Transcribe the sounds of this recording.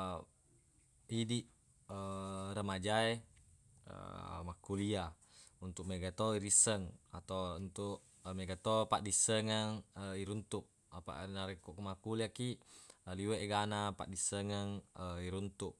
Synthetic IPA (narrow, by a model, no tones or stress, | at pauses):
idiʔ | əɾəmad͡ʒae | ə̰makulia | unt̪uk̚meɡat̪oiɾisəŋat̪owunt̪uʔ | meɡat̪opa̰ʔdisəŋəŋəiɾunt̪uk̚ | apa̰ʔnaɾekuʔkumakuliakiʔaliweʔɡanapa̰ʔdisəŋəŋəiɾunt̪uk̚